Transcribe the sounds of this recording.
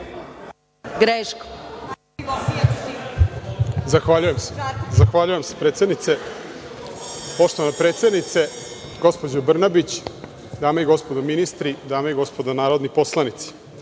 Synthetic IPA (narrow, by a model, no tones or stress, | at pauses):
ɡɾeːʃko̥ | zaxʋaːʎujemsezaxʋaːʎuje̞msepɾeːt̪sed̪nit̪se | po̞ʃt̪o̞ʋanapɾe̞ːt̪se̞d̪nit̪se̞ | ɡo̞spod͡ʑobr̩nabit͡ɕ | d̪aːmaiɡo̞spod̪ominist̪ɾid̪aːmeiɡo̞spo̞d̪anaːɾo̞d̪nipo̞slˠanit̪si̥